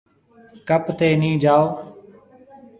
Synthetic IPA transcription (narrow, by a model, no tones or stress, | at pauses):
kəpt̪eːnĩːd͡ʒaːoː